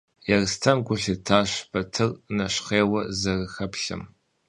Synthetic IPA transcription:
jɛrstʰɐmɡʷʊɬitʰaːɕbɐtʰɨrnɐɕχeːwɐzɐrɨxɐpɬɐ̰m

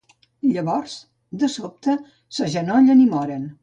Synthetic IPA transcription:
ʎəβɔrz̥ | d̪əsop̚t̪ə | səʒənɔʎənimɔɾən

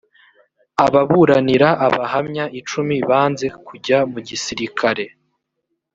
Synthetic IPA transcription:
aβaβuɾaniɾaʔaβahamɲaʔit͡ʃumiβaːnze̞kuɟamuɟisiɾikʰaɾe̞

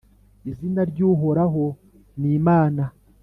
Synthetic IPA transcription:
izinaɾɟuːɦo̞ɾaɦo̞ | niːmaːna

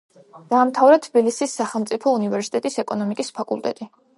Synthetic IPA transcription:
d̪̥aːmt̪ʰavɾɛt̪ʰbilisisːaχɛlˠmt̪sʼipʰɔunivɛɾsi̥t̪ʼɛt̪ʼisɛkʼɔnɔmikʼispʰakʼṵlˠt̪ʼɛ̰t̪ʼi

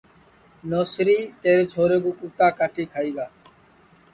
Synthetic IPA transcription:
noːsɾiːt̪eːɾeːt͡ʃʰoːɾeːkuːkuːt̪aːkaːʈʰiːkʰaːiːɡaː

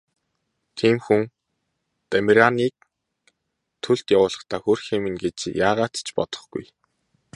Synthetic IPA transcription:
t̪ʰiːmxuŋ | t̪amʲɾʲaniːk̚ | t̪ʰːɵɮt̪jawʊːɮə̥̆χt̪ʰaːxorxemɘ̆nɡet͡ɕjaːʁaːt̪t͡ɕpɔt̪ɞ̥̆χɡṵj

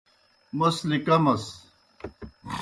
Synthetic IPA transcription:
mɐslikɐmɐs

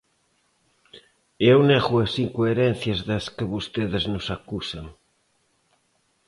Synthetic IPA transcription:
ewneɣuasiŋkoeɾen̟θjazðɐskəβust̪eðɪznosakusaŋ

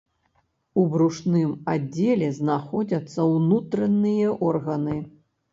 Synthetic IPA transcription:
ubɾuʂnɨmad͡zʲːelʲɛznaxɔd͡zʲɐt̪sːɐwnut̪ɾɐnːɨjɐʔɔrɣɐnɨ

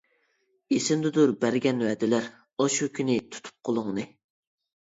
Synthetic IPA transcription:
esɪmd̪ɨd̪uɾbæɾɡʲɛnwɛd̪ɪlæɾ | oʃukʲʰynɪt̪ʰu̥t̪ʰu̥p̚qʰolˠʊŋnɨ

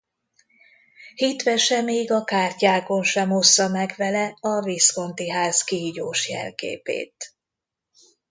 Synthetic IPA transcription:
hit̪ʋɛʃɛmeːɡɒkaːrcaːko̞nʃɛmɦo̞sːɒmɛɡʋɛlɛɒvisko̞nt̪iɦaːzkiiɟoːʃjɛ̰lkḛːpḛːt̪

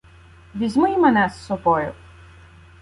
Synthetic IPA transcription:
vizmujimɛnɛsːɔbɔju

